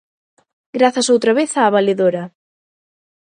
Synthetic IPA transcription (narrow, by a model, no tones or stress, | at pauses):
ɡɾaθɐsowt̪ɾɐβeθaːβaleðoɾɐ